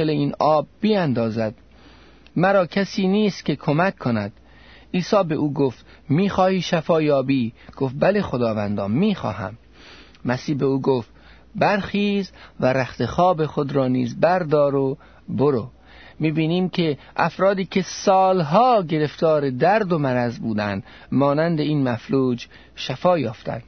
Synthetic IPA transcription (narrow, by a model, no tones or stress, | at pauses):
eleiːnɒːbːiænd̪ɒːzæd̪̥ | mæɾɒːkʲʰæsiːniːst̪̚kʲekʰomækʰːonæd̪̥ | ʔiːsɒːbe̞ʔuːɡoft̪ | miːxɒːhiːʃæfɒːjɒːbiːɡ̥oft̪̚bæle̞xod̪ɒːvænd̪ɒːmiːxɒ̰ːɦæ̰mː | æsiːhbe̞uːɡoft̪ | bæɾxiːzvæɾæxt̪exɒːbe̞xod̪ɾɒːnḭːzbæɾd̪ɒːɾo | boɾo | miːbiːniːmkʰe̞ | ʔæ̰fɾɒːd̪iːkʲʰe̞sɒːlɦɒːɡe̞ɾe̞ft̪ɒːɾed̪æɾd̪omæɾæzbuːd̪ænd̪ | mɒːnænd̪e̞iːnmæfluːd͡ʒ | ʃæfɒːjɒːft̪æ̰n